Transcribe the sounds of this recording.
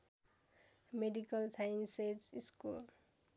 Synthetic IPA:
meɖikʌlsajinseziskul

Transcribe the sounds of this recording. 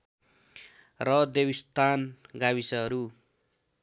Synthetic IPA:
rʌd̪ewist̪ʰanɡawisʌɦʌɾu

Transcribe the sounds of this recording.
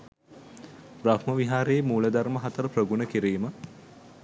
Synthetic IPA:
prahməʋiɦaːɾemuːləd̪aɾməɦat̪əɾəprəɡunəkiɾiːmə

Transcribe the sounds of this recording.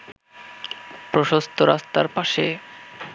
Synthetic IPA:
pɾoʃost̪ʰoɾast̪a̰ɾpaʃe

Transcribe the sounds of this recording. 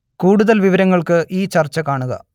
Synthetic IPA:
kuːɽuðɐlʋiʋɐɾɐŋːɐɭkɨʔiːt͡ɕɐrt͡ɕːɐkaːɳuɣɐ̰

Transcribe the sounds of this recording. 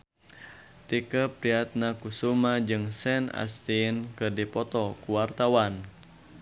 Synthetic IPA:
t̪ikəpɾiat̪̚nakusumad͡ʒɨŋsɛna̰st̪inkərdipɔt̪ɔkuwart̪awan

